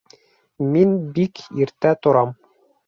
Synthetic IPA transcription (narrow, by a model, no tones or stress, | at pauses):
minbikiɾt̪æt̪ŏɾɑm